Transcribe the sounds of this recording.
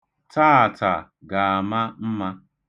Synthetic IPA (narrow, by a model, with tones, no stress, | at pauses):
ta˦a˨ta˨ | ɡa˨a˨ma˦m̩˦ma˦